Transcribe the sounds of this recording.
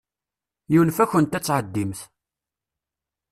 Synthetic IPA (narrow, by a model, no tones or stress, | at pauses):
jiwnfæçənt̪æt͡sːʕəd̪ːimθ